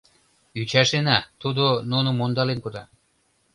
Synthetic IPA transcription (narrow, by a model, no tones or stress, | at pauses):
yt͡ɕæʃenat̪ud̪onunomond̪ɑlenkod̪ɑ